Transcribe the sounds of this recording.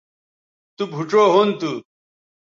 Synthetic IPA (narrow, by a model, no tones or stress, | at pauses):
t̪ubʱuʈ͡ʂoːɦont̪u